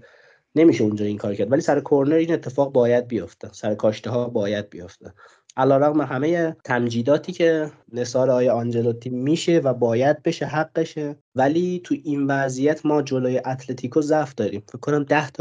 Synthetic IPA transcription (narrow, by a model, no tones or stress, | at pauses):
ne̞miːʃeund͡ʒɒːiŋkʰɒːɾocʰæɾd̪væliːsæɾekʰo̞ɾneɾiːne̞t̪ʰːe̞fɒːɣbɒːjæd̪̚bijo̞ft̪esæɾekʰɒːʃt̪eɦɒːbɒːjæd̪̚bijoft̪ʰe | ʔælɒːɾæɣmeɦæme̞jet̪ʰæmd͡ʒiːd̪ɒːt̪ʰiːcʰe̞ | ne̞sɒːɾeɒːjeɒnd͡ʒe̞lot̪ʰiːmmːiːʃevæbɒːjæd̪̚be̞ʃeɦæɡːeʃe | væliːt̪ʰuʔinvæzijæt̪ʰmɒːd͡ʒoloːjeʔæt̪ʰle̞t̪ʰiːkʰozæfd̪ɒːɾiːmfekʰːonæmd̪æht̪ʰ